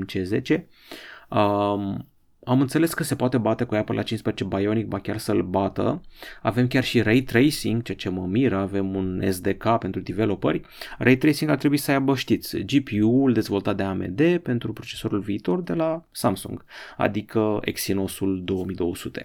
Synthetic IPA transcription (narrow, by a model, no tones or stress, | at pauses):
t͡ʃe̞ze̞̰t͡ʃe̞ | ə | amɨnt̪se̞le̞skəse̞poat̪e̞bat̪e̞kujapəlʔat͡ʃinspezet͡ʃe̞bajo̞nik̚bakʲarsəlbat̪ə̰ave̞mkʲarʃiɾejt̪ɾejsiŋɡt͡ʃejat͡ʃe̞məmiɾəave̞munḛsd̪e̞kapent̪ɾud̪ive̞lo̞pə̰rʲrʔejt̪ɾejsiŋɡart̪ɾebuisəajabəʃt̪it̪sʲd͡ʒipiuld̪e̞zvo̞lt̪at̪̚d̪e̞amḛd̪e̞pe̞nt̪ɾupɾo̞t͡ʃe̞so̞ɾulviːt̪o̞rd̪e̞lasamsṵŋɡ̥a̰d̪ikəe̞̰ksino̞suld̪o̞wəmijd̪o̞wəsut̪e̞